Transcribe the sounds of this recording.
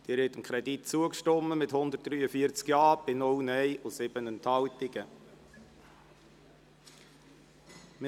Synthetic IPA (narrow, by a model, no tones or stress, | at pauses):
d̥ɪːɾhɪtəmkʰɾɛdit̚t͡suəkʃtɔmːəmɪthʊnd̪ət̚d̥ɾyːəfiət͡skjɑːb̥ɪnʊlnɛɪʔʊsɪb̥ənənthɑltɪɡ̥ə | m